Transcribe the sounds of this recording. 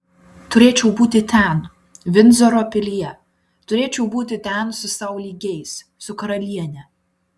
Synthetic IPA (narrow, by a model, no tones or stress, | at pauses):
t̪ʊɾʲeːt͡ʃʲɛʊbuːt̪ʲɪt̪ʲɛˑn | ʋʲɪnʲzɔɾoːpʲɪlʲijɛ | t̪ʊɾʲeːt͡ʃʲɛʊbuːt̪ʲɪt̪ʲɛˑnsʊsɐˑʊlʲiːɡʲɛɪs | sʊkɐɾɐlʲiɛnʲɛ